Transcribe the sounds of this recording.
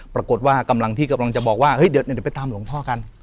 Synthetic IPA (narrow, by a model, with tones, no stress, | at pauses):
pɾa˧ko˨˩t̪̚waː˥˩ka˧mla˧ŋt̪ʰiː˥˩ka˧mla˧ŋt͡ɕa˨˩bɔː˨˩k̚waː˥˩hɤ˦˥˨jdi˨˩˦wn˨˩˨pa˧jt̪aː˧mlo˩˦ŋt̪ʰɔː˥˩ka˧n